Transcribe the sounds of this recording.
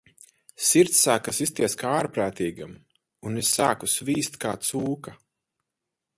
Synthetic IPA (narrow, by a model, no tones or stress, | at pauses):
siɾt̪sːaːkasist̪iɛskaaaːɾpɾaːt̪iːɡam | unesːaːkusviːst̪kaːt̪suːka